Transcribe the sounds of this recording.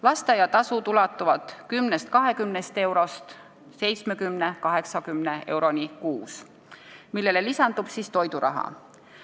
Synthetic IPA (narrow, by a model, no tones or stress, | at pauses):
lɑst̪ejɑt̪ɑsut̪ulɑt̪ˑːuvɑt̪ˑkymnest̪̚kɑɦe̞kymnest̪e̞wɾo̞st̪ | se̞jt̪smekymnekɑɦe̞ksɑkymneʔe̞wɾo̞nʲikuːs | milːe̞lelisɑnd̪ub̥sist̪o̞jd̪uɾɑ̰ɦɑ̰